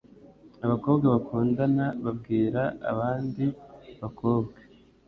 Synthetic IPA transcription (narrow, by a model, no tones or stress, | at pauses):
aβako̞ːbɡeβakʰuːndanaβab̚ɡiːɾaa̰βaːndiβako̞ːbɡe